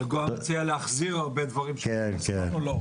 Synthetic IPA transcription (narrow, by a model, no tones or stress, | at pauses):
ɡoat͡sijaleaχziʁaʁbed̪vaʁimʃenkenulo